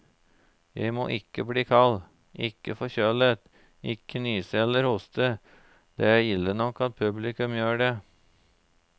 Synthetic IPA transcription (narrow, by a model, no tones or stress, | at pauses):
jæɪmo̰ːʔɪkːəbliːkʰɑl | ʔɪkːəfɔçøːlət̪ | ɪkːənyːsɛlːəɾhʊst̪ʰə | d̪̥ejɪlːənɔkːɑt̪̚pʰʉblɪkʉmjøːɖeː